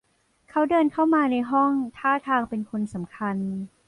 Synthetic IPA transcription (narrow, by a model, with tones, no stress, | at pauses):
kʰa˦˥wdɤː˧nkʰa˥˩wmaː˧na˧jɦɔ˥˩ŋt̪ʰaː˥˩t̪ʰaː˧ŋpe˧nkʰo˧nsa˩˦mkʰa˧n